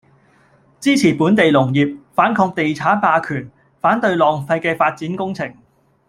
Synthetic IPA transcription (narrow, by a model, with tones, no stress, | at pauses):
t͡siː˥t͡sʰiː˨˩puː˨˥nt̪e˨jlʊ˨˩ŋjiː˨p̚faː˨˥nkʰɔː˧k̚t̪e˨jt͡sʰaː˨˥paː˧kʰyː˨˩n | faː˨˥nt̪ɵ˧ɥlɔː˨ŋfɐ˧jkɛː˧faː˧t̚t͡siː˨˥nkʊ˥ŋt͡sʰɪ˨˩ŋ